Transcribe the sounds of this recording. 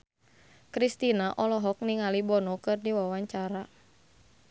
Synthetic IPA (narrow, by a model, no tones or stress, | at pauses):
kɾist̪inaʔɔlɔɦɔk̚niŋalibɔnɔkɨrdiwawaɲt͡ʃaɾa